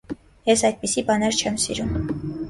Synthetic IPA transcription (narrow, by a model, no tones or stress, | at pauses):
jɛsɑjd̪̚pisibɑnɛɾt͡ʃʰɛmsḭɾum